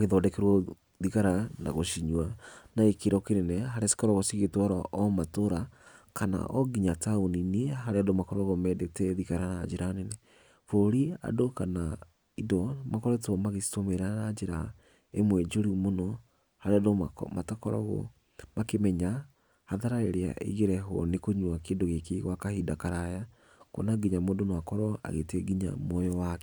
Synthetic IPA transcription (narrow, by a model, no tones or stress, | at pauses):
aɣeðɔdɛkɛɾwɔ | ðiɣaɾana̰ɣoʃiɲwanaekeɾɔkeɾenɛɦaɾeasi̥kɔɾɔɣosiɣetwaɾaʔɔmatoɾakana̰ʔɔɡiɲataoninieɦaɾeadomakɔɾɔɣomɛdetɛðiɣaɾanad͡ʒeɾanenɛ | foɾia̰dokana | idɔmakɔɾetɔmaɣesi̥tomeɾanad͡ʒeɾa | emwɛd͡ʒoɾimonɔ | haɾeadoa̰matakɔɾɔ̰ɣɔ̰ | makemɛɲa | haðaɾaeɾea̰ʔḛɣeɾɛɦɔ̰nekoɲwakeːndoɣekiɣwakahidakaɾaja | ko̰naɡiɲamodonoakɔɾɔa̰ɣetɛɡiɲa̰mɔjɔwakɛ